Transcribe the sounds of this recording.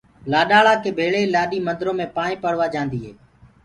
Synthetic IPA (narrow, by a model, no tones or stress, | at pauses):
laːɗaːɭaːkeːbʱeːɭeːlaːɗiːmənd̪ɾõːmẽːpaːɳĩːpəɽʋaːd͡ʒãːnd̪iːɦeː